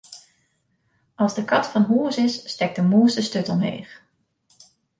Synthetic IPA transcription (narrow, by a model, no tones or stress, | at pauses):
ʔɑlˠzdəkɑtfɑnɦuəsɪsːtɛk̚dəmuːsdəstøtɔmɦḛːχ